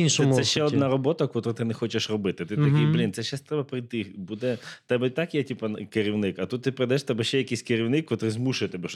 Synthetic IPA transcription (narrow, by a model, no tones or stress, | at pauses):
inʃsɔɛʃt͡ʃːɛɔd̪nɑɾɔbɔt̪ɐkɔt̪ɾʊt̪ɪnɛxɔt͡ʃeʃrɔbɪt̪ɪt̪ɪt̪ɐkɪjblʲint̪sɛʃast̪ɾɛbɐpɾɪjt̪ɪbud̪ɛt̪ɛbɛt̪ɑkjɛtʲipɐnkɪɾʲiwnɪkɐt̪ut̪̚ːɪpɾɪd̪ɐɛʃt̪ɛbɛʃʲːɛjɐkijsʲkeɾʲiwnɪkkːɔt̪ɾɪzmuʃɪjt̪ɛbɛʃ